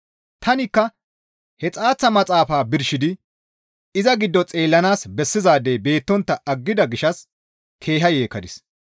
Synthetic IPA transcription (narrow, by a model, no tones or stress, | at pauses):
t̪ʰɐnɪkːɐ | hɛt͡sʼaːt͡sːɐmɐt͡sʼaːfaːbɪɾʃɪd̪ɪ | ɪzɐɡɪd̪ːɔt͡sʼe̞ːlːɐnaːsbɛsːɪzaːd̪eːbe̞ːt̪ːɔnt̪ːɐʔɐɡːɪd̪ɐɡɪʃɐs | kʰe̞ːɦɐjeːkɐd̪ɪs